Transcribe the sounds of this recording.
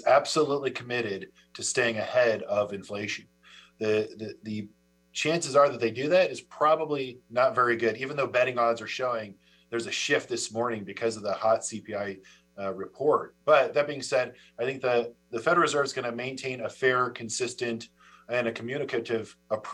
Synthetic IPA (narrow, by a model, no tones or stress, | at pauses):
zæb̥səlutˡlikʰəmɪɾɪd̚ | tʰɨsteɪɪ̃ŋɨhɛɾʌvɨ̃ɱfleɪʃɨ̃n | ðɨðɨðɨ | t͡ʃʰæ̃nsɨzə˞ðɨt̪̚ðeɪdɨðæɾɨz̥pʰɹ̥ɑbəblinətvɛɹiɡʊɾivɨ̃n̩ðoʊbɛɾɪ̃ŋɑdzə˞ʃoʊɪ̃ŋ | ðə˞zɨʃɪft̪̚ðɪsmɔɹnɪ̃ŋbɨkʰʌzʌvðəhɑtsipʰiaɪ | ɹɨpʰɔɹt̚b̥ʌt̪̚ðɨt̚b̥iɪ̃ŋsɛɾ | aɪθɪ̃ŋk̚ðɨðɨfɛɾəl̩ˠzɜ˞vzɡʌnɨmẽɪ̃ntʰẽɪ̃nɨfɛɹkʰɨ̃n̩sɪstɨ̃nt | ɨ̃nɨkʰmjʉnɨkɨɾɪvəpʰ